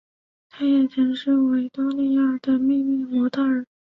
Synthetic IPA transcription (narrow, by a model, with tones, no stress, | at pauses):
t̪ʰa˥jɛ˨˩ʈ͡ʂʰə˧˥ʂɻ̩˥˩we˧˥ɪt̪ɑ˥li˥˧a˥˩d̪ə˩mi˥˧mi˥˩mɔ˧˥t̪ʰa˥˩ə˞˨˩˦